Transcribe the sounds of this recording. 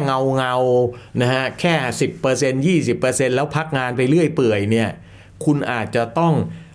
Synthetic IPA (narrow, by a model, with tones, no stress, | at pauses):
ŋa˧wŋa˧wna˦˥kʰa˦˥kʰɛː˥˩si˨˩pːɤː˧se˧njiː˥˩si˨˩pːɤː˧se˧nlɛː˦˥wpʰa˦˥k̚ŋaː˧npa˧jlɯ˥˩əjpɯ˨˩əjni˥˩ɐ | kʰu˧nʔaː˨˩t̪̚t͡ɕa˨˩t̪ɔ˥˩ŋ